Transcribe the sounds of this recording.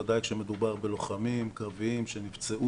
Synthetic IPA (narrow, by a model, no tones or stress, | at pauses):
ad̪ajkʃeme̞d̪ubaʁbe̞lo̞χamimkaviimʃenivt͡seʔu